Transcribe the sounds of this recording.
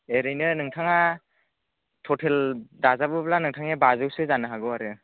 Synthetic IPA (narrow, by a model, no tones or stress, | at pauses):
eɾɯjnɯnɯŋtʰaŋa | tʰɔtʰeldazabɯplanɯŋtʰaŋebazɯwsɯzanɯɦaɡɯwaɾɯ